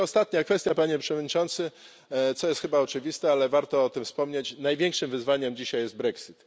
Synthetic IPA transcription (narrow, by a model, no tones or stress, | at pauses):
ɔst̪at̪ɲakfɛst̪japaɲɛpʂɛvɔd̪̚ʲɲit͡ʂɔnt̪sɘ | t̪sɔjɛst̪xɘbaɔt͡ʂɘvʲist̪ɛalɛvaɾt̪ɔɔt̪ɘmfspɔmɲet͡ɕnajvʲjɛŋkʂɘmvɘzvaɲɛmd͡ʑiɕajːɛzd̪̚bɾɛksit̪